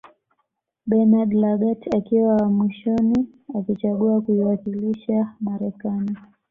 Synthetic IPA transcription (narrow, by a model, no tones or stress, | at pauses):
ɓɛnadlaɡatakiwamwiʃɔni | akit͡ʃaɠuakuiwakiliʃamaɾɛkani